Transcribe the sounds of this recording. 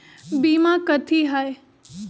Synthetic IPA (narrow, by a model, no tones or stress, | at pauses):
biːmãkət̪ʰiɦaːe